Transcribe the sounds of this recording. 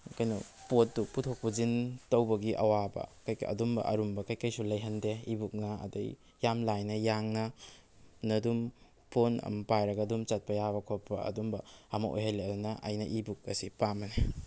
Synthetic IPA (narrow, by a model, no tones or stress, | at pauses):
kɐjnupot̚ːuputʰok̚puzintɐwbɐɡiʔɐ̰wabɐ̰kɐjkɐ̰dumbɐ̰ʔɐ̰ɾumbɐkɐjkɐjsulɐjɦɐndeibuk̚nɐɐ̰dɐ̰j | jamlajnɐjaŋnɐ | nɐdum | pʰonɐ̰mpajɾɐɡɐdumt͡ʃɐt̚pɐjaβɐkʰopɐ̰ɐ̰dumbɐɐmɐʔo̰jɦɐleɐdunɐʔɐ̰jnɐʔibuk̚ɐsipamɐne